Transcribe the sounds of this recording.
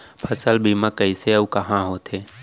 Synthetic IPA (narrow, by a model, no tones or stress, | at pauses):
pʰɐsəlbiːmãkəiseɐukɐɦãɦoːt̪ʰeː